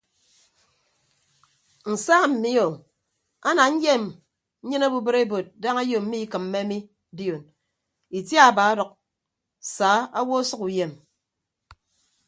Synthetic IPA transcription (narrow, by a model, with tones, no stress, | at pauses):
n̩˨sa˦m̩˨mi˦o˨ | a˦na˨ɲ̩˦je˦m | ɲ̩˦ɲɨ˦na˦bu˦bɨ˦ɾe˦bo˨t̚da˦ŋa˦jo˨m̩˦mi˦kɨ˨m̩ː˦e˦a˦mi˦ | di˦o˨n | i˨tja˦˨baː˨˦a˦dɔ˨k̚ | saː˨˦a˦wo˦sʌ˦ku˨je˨m